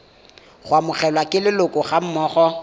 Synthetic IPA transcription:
χwamʊχɛlwakʼɪlɪlʊkʼɔχam̩mɔːχɔ

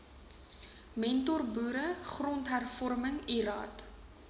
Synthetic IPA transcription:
mɛntɔrbuːɾəχrɔntɦærfɔrməŋiɾɑ̰ːt

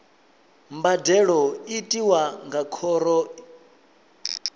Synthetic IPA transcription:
mbadɛɺɔitʼiwaŋɡakʰɔɾɔ

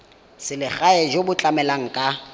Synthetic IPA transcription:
sɪlɪk͡xaɛʒobʊt͡ɬʼamɛlaŋ̩kʼa

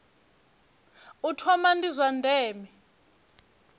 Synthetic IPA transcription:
utʰɔmandizwandʱɛːmɛ

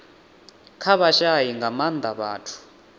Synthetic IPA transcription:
kʰaɓaʃajiŋɡʱamand̪ʱaɓa̰ːtʰu̥

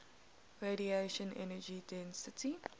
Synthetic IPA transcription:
ɹeɾieʃə̃nʔɛ̰nəd͡ʒidɛ̃nsətʰi

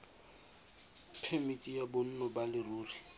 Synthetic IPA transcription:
pʰemitʼijabʊn̩nɔbalɪruːri

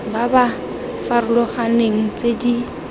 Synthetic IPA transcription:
baba | faɾʊlɔχaneŋ̩t͡sedi

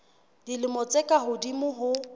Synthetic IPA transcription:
d̥ilɪmɔt͡sʼekʼaɦʊdimʊɦʊ

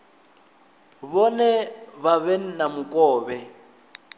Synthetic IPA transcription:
βɔnɛβaβɛn̩namukʼɔːβɛ

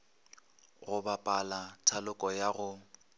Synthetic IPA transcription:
ɣʊbapʼalatʰalʊkʼɔjaɣʊ

